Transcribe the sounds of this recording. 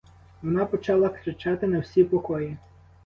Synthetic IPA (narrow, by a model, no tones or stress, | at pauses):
ʋɔnɑpɔt͡ʃɑlˠɐkɾɪt͡ʃɑt̪ɪnɐwsʲipɔkɔji